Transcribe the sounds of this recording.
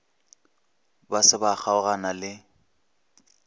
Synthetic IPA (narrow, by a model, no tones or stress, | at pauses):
basɪbak͡xʰaʊɣanalɪ